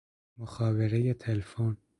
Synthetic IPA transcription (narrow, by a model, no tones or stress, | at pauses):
mʊxɑːveɾejet̪ʰelfoːn